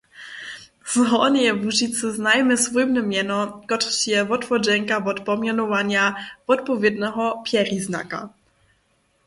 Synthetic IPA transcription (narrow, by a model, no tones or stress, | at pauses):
z̥ɦɔnjɛvuʒit̪sɨznajmɛsvujmnɛmʲjɛnɔkɔtt͡ɕjɛvɔt̪fɔd͡ʒɛŋkavɔt̪pɔmjanɔvaɲavɔt̪pɔvʲjɛd̪nɛɦɔpʲjɛɾʲizna̰ka̰